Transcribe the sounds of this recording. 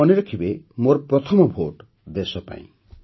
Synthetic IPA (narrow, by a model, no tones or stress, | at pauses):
ɔniɾɔkʰibemoɾɔpɾɔt̪ʰɔmɔbʱoʈ | d̪esɔpa̰ḭ̃